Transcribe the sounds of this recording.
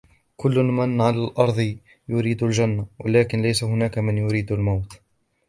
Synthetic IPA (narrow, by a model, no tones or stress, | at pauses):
kʊlːʊmanʕalaːlʔɑɾˤd̪ˤ | jʊɾiːd̪ald͡ʒanːawʔa̰laːkɪnlajsahʊnaːkamɪnjʊɾiːd̪almawt̪